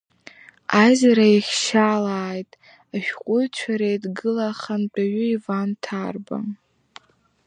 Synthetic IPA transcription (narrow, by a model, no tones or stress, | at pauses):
azɾaiχʲʃaːlaːjtʼ | aʃᶣqʷʼʊjt͡ɕʷʰaɾejdɡɨlaχant͡pʼaɥʊivantʰarba̰